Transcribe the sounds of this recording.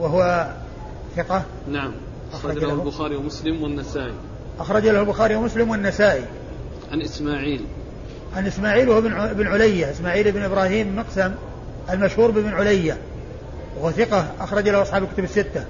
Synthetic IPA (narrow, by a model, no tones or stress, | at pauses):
waɦʊwa | θɪqɑ | naʕam | ʔaxɾˤɑabʊxaːɾiwmʊslɪmwɪnːasaːʔi | ʔaxɾˤɑd͡ʒalahʊlbʊxaːɾiwamʊslɪmwɪnːasaːʔi | ʕanʔɪsmaːʕiːl | ʕanʔɪsmaːʕiːlwahbɪbnʕʊlajːaʔɪsmaːʕiːlɪbnʔɪbɾˤɑːhiːmːɪqsam | ʔalmaʃhuːɾbɪbnʕʊlajːa | wahʊwaθɪqɑʔaxɾˤɑd͡ʒlahuʔɑsˤħɑːblkʊt̪ʊbɪsːɪt̪ːa